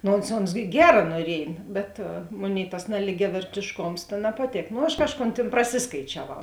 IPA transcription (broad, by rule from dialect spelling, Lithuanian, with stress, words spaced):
ˈnoː oːns oːns ˈɡʲæːrɐ nuɔˈrʲiɛj bʲɛt ˈmoːˌnʲeːɪ tɐs nɐlʲɪɡʲɛʋʲɛrʲtʲeːʃˈkoːms tɐ nɐpɐˈtʲeːk noː ˈɐʃ ˈkɑːʃˌkoːn ˈtʲeːn prɐˈsʲɪskɐɪt͡ʃʲɛˌʋɐʊ